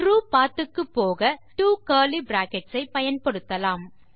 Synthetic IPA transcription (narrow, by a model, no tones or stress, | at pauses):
ɾuːpaːɾt̪ɯkːɯpːoːɣɐʈuːkɐːlibɾaːkɛʈsɐɪpɐjɐnpɐɽɯt̪ːɐlaːm